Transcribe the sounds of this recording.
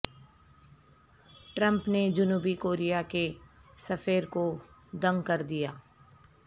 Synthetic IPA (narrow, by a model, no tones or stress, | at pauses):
ʈɾə̃mpned͡ʒʊnuːbikoːɾijakesɐfeːɾkod̪ɐ̃ŋɡkɐɾd̪ijaː